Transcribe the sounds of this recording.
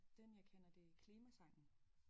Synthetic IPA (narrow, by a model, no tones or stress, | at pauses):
d̥enjɑ̈ɪkʰenɐd̥e̝kʰliːmæsɑ̈ŋ̰n̩